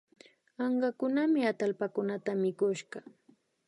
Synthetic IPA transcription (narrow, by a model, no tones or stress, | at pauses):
ɑɴɢɑkʊnamɪat̪alpakʊnat̪amɪkʊʃɢɑ